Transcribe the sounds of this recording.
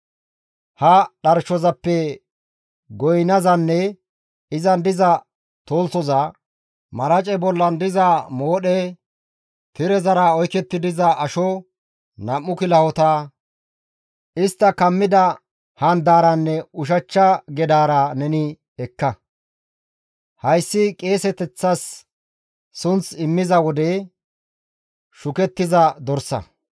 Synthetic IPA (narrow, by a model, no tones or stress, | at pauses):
hɐɗɐɾʃɔzɐpːɛ | ɡɔjnɐzɐnːɛ | ɪzɐnd̪ɪzɐ | t̪o̞ːlt͡sɔzɐ | mɐɾɐt͡ʃʼɛbɔlːɐnd̪ɪzɐmo̞ːɗɛ | t̪ɪɾɛzɐɾaɔjkɛt̪ːɪd̪ɪzɐʔɐʃɔ | nɐmːʊkɪlɐhɔt̪aː | ɪst̪ːɐkɐmːɪd̪ɐ | hɐnd̪aːɾɐnːɛʊʃ̬ɐt͡ʃːɐɡɛd̪aːɾɐnɛnɪ | ɛkːɐ | hɐjsːɪkʼe̞ːsɛt̪ɛt͡sːɐs | sʊnt͡sɪmːɪzɐwɔd̪e | ʃʊkɛt̪ːɪzɐd̪ɔɾsɐ̰